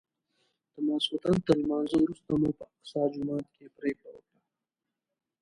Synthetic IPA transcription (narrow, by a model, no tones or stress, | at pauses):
d̪̥əmaːsut̪ant̪əlmɑːnzowɾust̪amupəasɑːd͡ʒumɑːt̪kepɾeːkɽawəkɽa